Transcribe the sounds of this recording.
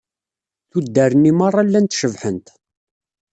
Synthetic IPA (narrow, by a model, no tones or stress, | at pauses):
θud̪ːæɾənːimɑrˤːɑlːænt̪ʃəvħənt̪